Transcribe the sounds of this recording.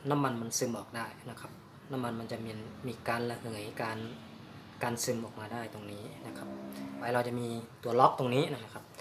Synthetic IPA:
na˦˥˨mːa˧nma˧˨nsɯ˧mʔɔː˨˩k̚daː˥˩jna˦˥kʰa˦˥p̚ | na˦˥mːa˧nma˧nt͡ɕa˨˩mi˧nmiː˧˩kaː˧˥nlɛ˧˩hɯ˨˩˦ə˦jkaː˧n | kaː˧nsɯ˧mʔɔː˨˩k̚maː˧daː˥˩jt̪o˧ŋniː˦˥na˦˥kʰa˦˥p̚waː˨˧˦jɾla˧wt͡ɕa˨˩miː˧t̪u˨˩ɐlɔ˦˥k̚t̪o˧ŋniː˦˥na˦˧˩na˦˥kʰa˦˥p̚

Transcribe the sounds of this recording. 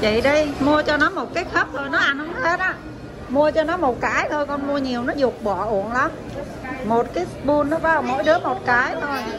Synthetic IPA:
t͡ɕḭ˧˨ɗi˧jmu˧ət͡ɕɔ˧nɔ˨˦mo˨˩t̚kaː˨˦jk̚xʰə˦˥p̚t̪ʰo˧˩jnɔ˨˦ʔa˧nhə˨˦ŋ͡mhe˦˥t̚ʔaː˧˥ | mu˧ət͡ɕɔ˧nɔ˨˦mo˨˩t̚kaː˨˦jt̪ʰo˧jkɔ˧nmu˧əɲi˨˩əwnɔ˨˦zʊ˨˩ək͡p̚ɓɔ˧˩ʔu˧˩˨ənla˨˦m | mo˨˩t̚kaː˨˦jsɓu˧nːɔ˨˦ɓaː˨˦˩wmo̰˧˥jɗɨ˨˦əmo˨˩t̚kaː˨˦jt̪ʰo˧˩j

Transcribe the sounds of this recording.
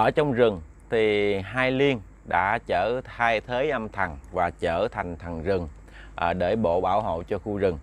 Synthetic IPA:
ʔəː˧˩t͡ɕɔ˧wŋ͡mzɨ˨˩ŋ | t̪ʰi˨˩ɦaː˧jli˧ən | ɗa̰ː˧˥t͡ɕəː˧˩t̪ʰaː˧jt̪ʰeː˨˦jʔə˧mt̪ʰa˨˩ŋvaː˨˩t͡ɕəː˧˩t̪ʰa˨˩jŋ̟t̪ʰə˨˩jŋ̟zɨ˨˩ŋ | ʔɗe˧˩ɓo̰˧˨ɓaː˧˩wɦo̰˧˨t͡ɕɔ˧xu˧zɨ˨˩ŋ

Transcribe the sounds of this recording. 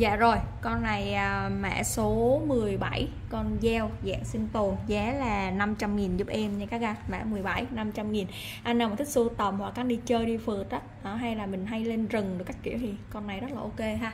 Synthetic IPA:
za̰ː˧˨zo˨˩jkɔ˧nːa˨˩jʔaː˨˩mɛ̰ː˧˥so˨˦mɨ˨˩əjɓa˧˩j | kɔ˧nzɛ˧wza̰ː˧˨ŋsi˧nt̪o˨˩nzaː˨˦laː˨˩na˧mt͡ɕa˧mŋi˨˩nzu˦˥p̚ʔɛ˧mɲɨ˧kaː˦˥k̚aː˧ma̰ː˧˩mɨ˨˩əjɓa˧˩jna˧mt͡ɕa˧mŋi˨˩n | ʔa˧nːa˨˩˨t̪ʰï˦˥k̚su˧t̪ə˨˩mhwa˨˩k̚ːaː˦˥nɗi˧t͡ɕəː˧jɗi˧fɨ˨˩t̚ə˦˥t̚nɔ˨˦ɦa˧jlaː˨˩mï˨˩ŋ̟ɦa˧jle˧nzɨ˨˩ŋɗɨ˨˩ka˦˥k̟̚kḭ˧˨əwt̪ʰi˨˩kɔ˧nːa˨˩jzə˦˥laː˨ʔo˧ke˧ɦaː˧

